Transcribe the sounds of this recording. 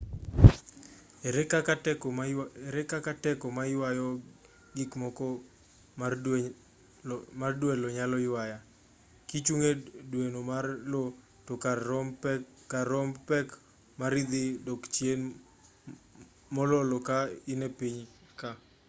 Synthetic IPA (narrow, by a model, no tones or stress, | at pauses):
kakaɛkɔɛɾɛkakatɛkɔmajɪwajɔ | ɡikmɔkɔ | mardwɛlɔɲalɔjwaja | kit͡ʃuŋedwenomarlɔ | tɔkarɔm | kaɾɔmpɛk | maɾid̪ɪdɔkt͡ʃjen | mɔlɔlɔkaɪnepiɲ | ka